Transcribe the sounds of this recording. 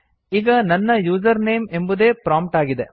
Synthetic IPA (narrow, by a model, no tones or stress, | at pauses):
ɪɣɐnɐnːɐjuːs̬ɐɾneːmɛnbɯðeːpɾaːmpʈaːɣɪðḛ